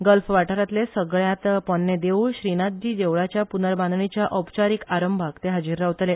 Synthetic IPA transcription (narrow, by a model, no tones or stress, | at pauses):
ɡəlfʋaʈəɾat̪lesəɡɭjãt̪pɔnːed̪euɭɕɾinat̪̚d͡ʑiːd̪eʋɭat͡ɕjapunəɾbãnd̪ɳit͡ɕjaʔəpt͡ɕaɾiːkaɾəmbʱakt̪eɦad͡ʑiɾːaʋt̪le